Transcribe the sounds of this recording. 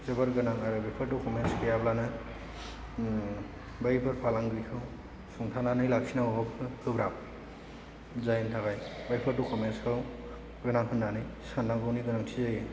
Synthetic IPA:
zɯbaɾɡɯnaŋaɾɯbajpʰɯɾtukʰɔmenskʰɯjablanɯ | bajpʰɯɾpʰalaŋɡɯjkʰɯw | sɔŋtʰananɯjlak̚sinawɔpkʰɯkɯbɾap̚ | zajntʰakajbajpʰɯɾtukʰɔmenskʰɯw | ɡɯnaŋɦɯndanɯjsanaɡɯwniɡɯnaŋtʰizajɯ

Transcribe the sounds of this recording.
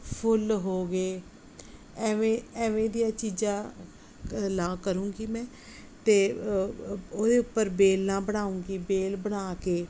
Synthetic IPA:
pʰʊlɦoːɡeː | ɛːʋẽːɛːʋẽːd̪ijãːt͡ʃiːd͡ʒãː | laːkəɾũːɡiːmɛ̃ː | t̪eː | oːd̪eːʊpːəɾbeːlnãːbəɽaːũːɡiːbeːlbəɽaːkeː

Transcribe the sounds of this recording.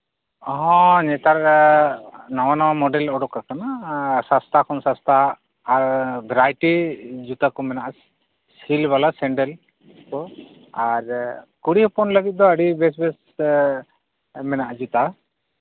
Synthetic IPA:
ɔɦɔ̃ɲɛt̪aɾ | nɔwanawamɔɖɛlɔɽɔkːakanasãst̪ʰakʰɔnsãst̪ʰaː | ɾbɛɾajʈid͡ʒut̪akɔmɛnaʔs | silbalasɛɳɖɛl | kɔ | aɾkuɽipʰɔnləɡit̪̚d̪ɔəɖibɛsbɛs | mɛnaʔd͡ʒut̪a

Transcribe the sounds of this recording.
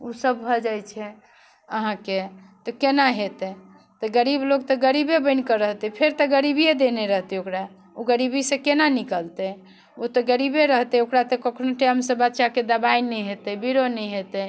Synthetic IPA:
usəb̚bʱəd͡ʒajt͡ʃʰɛ | əɦãket̪ɔkenaɦet̪ɛ | t̪ɔɡəɾibloɡ̚t̪ɔɡəɾibebəɪnkəɾəɦt̪ɛpʰeɾt̪ɔɡəɾibijed̪eneɾəɦt̪ɛokɾa | oɡəɾibisẽkenanikəlt̪ɛ | ot̪ɔɡəɾibeɾəɦt̪ɛokɾat̪ɔkəkʰnoʈemsə̃bət̪ːʃaked̪əbainɛjɦet̪ɛbiɾonɛjɦet̪ɛ

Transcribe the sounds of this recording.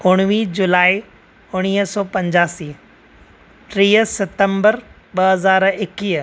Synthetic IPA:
ʊɽ̃ʋid͡ʑʊlaːi | ʊɽ̃iːɦəsɔːpɐ̃ɲd͡ʑaːsiː | ʈɾiːəsɪt̪ə̃mbəɾ | ɓɐɦɐzaːɾɪkiː

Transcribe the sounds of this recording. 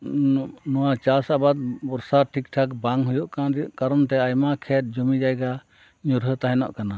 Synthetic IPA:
nɔwat͡ʃasabad̪̚bɔɾsaʈʰik̚ʈʰakbaŋɦujɔʔkad̪ʔkaɾɔnt̪ɛajmakʰɛt̪̚d͡ʒumid͡ʒajɡa | ɲuɾɦət̪aɦɛnɔ̰ʔkana

